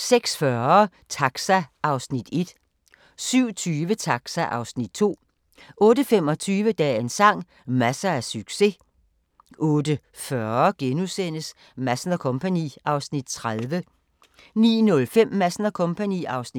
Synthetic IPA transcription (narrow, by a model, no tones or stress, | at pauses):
seɡ̥sfɶɐ | t͡sʰɑ̈ɡ̥sæʔɑ̈ʊsnid̥e̝d̥ | syʊ̰t͡sʰyːʋət͡sʰɑ̈ɡ̥sæʔɑ̈ʊsnid̥̚t͡sʰo̝̰ː | ɔ̽ːdəfem̰ɒ̽t͡sʰyːʋəd̥ɛ̰ːensɑ̈ŋ̰ | mæsææɐsyɡ̥se̝ | ʔɔ̽ːd̥ə | fɶɐɡ̥enusen̰əs | mæsnɐkʰɔ̽mpʰænḭɑ̈ʊsnid̥t͡sʰʁaðˠʋə | nḭːnɔ̽lfem̰mæsnɐkʰɔ̽mpʰænḭːɑ̈ʊsni̥